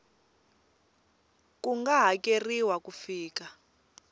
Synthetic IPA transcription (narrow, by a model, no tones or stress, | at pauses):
kuŋɡaɦakʼeriwakʼufiːka